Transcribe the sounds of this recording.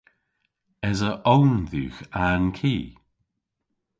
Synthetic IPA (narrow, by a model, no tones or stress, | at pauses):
ɛzəʔownðṵːxankʰiː